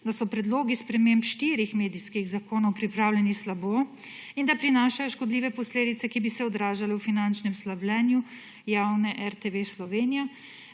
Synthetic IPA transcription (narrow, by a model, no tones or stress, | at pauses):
d̪asɔpɾɛd̪loːɡispɾɛmempʃt̪iːɾixmeːd̪iskiɣzakoːnɔwpɾipɾaːwlʲɛnislaboː | ind̪apɾinaːʃajɔʃkɔd̪liːʋɛpɔsleːd̪it̪sɛkibisɛɔd̪ɾaːʒalɛwfinant͡ʃnɛmslablɛːnju | jawnɛʔɛɾt̪eʋeslɔʋeːnija